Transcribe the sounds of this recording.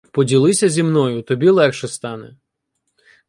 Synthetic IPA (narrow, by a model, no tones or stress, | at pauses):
pɔdʲilˠɪsʲɐzʲimnɔjʊt̪ɔbʲilˠɛkʃɛst̪ɑnɛ̰